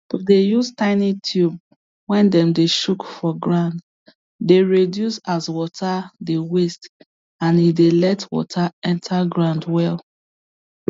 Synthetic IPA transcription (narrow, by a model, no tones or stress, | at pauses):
dejustãɪnitʰjub | wɛ̃ndɛ̃mdeʃukfɔɡɹãnd | deɹedjusaswɔtʰadewest | ãnidelɛtwɔ̰tʰaɛ̃ntʰaɡɹãndwɛl